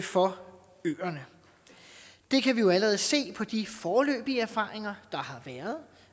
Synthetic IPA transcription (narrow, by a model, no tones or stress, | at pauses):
fɒ̽ | ø̰ːɐnə | d̥e̝kʰæʋijo̝æləʁɛð̞̩ˠse̝̰ːpʰɒ̽d̥ifɒːlø̰ːb̥iəæɐfɑ̰̈ːʁeŋɐd̥ɑ̈hɑ̈ʋæːɐð̞̩ˠ